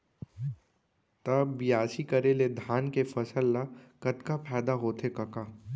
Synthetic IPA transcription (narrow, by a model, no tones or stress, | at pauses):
t̪ɐbbijaːsikɐɾeled̪ʱaːnkefɐsəlːakɐt̪kapʰɛːd̪aɦoːt̪ʰekɐkaː